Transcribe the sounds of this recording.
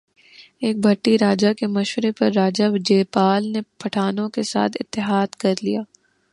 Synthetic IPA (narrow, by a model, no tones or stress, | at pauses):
eːk̚bʱɐʈːiɾaːd͡ʒakemɐʃwɾepɐɾːaːd͡ʒad͡ʒeːpaːlnepʰɐʈʰaːnõkesa̰ːt̪ʰɪ̰t̪ːɪɦaːd̪kɐɾlijaː